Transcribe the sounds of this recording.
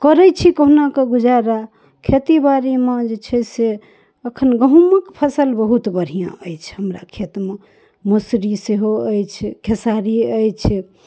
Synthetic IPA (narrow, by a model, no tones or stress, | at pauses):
kəɾɛt͡ʃʰikəɦnakeɡud͡ʒaɾa | kʰet̪ibaɾimãd͡ʒet͡ʃʰɛse | əkʰənɡəɦuməkpʰəsəlbəɦut̪bəɽ̤ijã̰əjt͡ʃʰɦəmɾa̰kʰet̪me | musɾiseɦoəjt͡ʃʰkʰesaɾiəjt͡ʃʰɛ